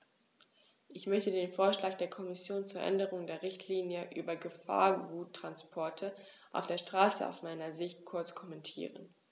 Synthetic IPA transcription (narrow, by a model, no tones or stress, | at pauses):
ʔɪçmœçtədeːnfoːɐʃlaːk̚d̥eːɐkʰɔmɪsjoːnt͡suːɐʔɛ̰ndəʁ̞ʊŋdeːɐʁɪçtʰliːnjəʔy̰ːbɐɡəfa̰ːɐɡuːtʰːʁ̥anspʰɔɐtʰə | ʔa̰ʊfd̥eːɐʃtʁ̥aːsəa̰ʊsmaɪnɐzɪçtkʰʊɐt͡skʰɔmɛntʰḭːʁən